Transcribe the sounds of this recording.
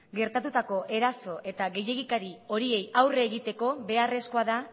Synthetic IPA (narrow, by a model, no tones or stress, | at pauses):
ɡe̞ɾt̪at̪ut̪ako̞ʔe̞ɾaso̞ʔe̞t̪aɣe̞je̞ɣikaɾio̞ɾie̞jawre̞ːɣit̪e̞ko̞βe̞are̞sko̞aða